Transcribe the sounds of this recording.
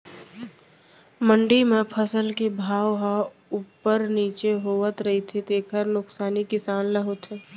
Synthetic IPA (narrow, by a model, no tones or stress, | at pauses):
mə̃ɳɖimẽpʰəsəlkebʱaːʋɦa | upːəɾniːt͡ʃeɦoːʋət̪ɾɐɦit̪ʰet̪eːkʰəɾnʊksaːnikɪsaːnlɐɦot̪ɦeː